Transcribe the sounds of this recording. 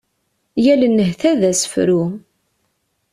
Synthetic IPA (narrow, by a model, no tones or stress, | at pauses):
jælənːəhθæðæsə̥fɾu